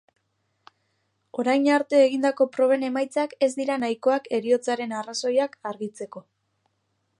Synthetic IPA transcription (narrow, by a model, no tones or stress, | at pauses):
o̞ɾajɲaɾt̪e̞ːɣind̪ako̞pɾo̞β̞e̞ne̞majt͡sake̞zd̪iɾanajko̞ake̞ɾio̞t͡saɾe̞naraso̞jakaɾɣit͡se̞ko̞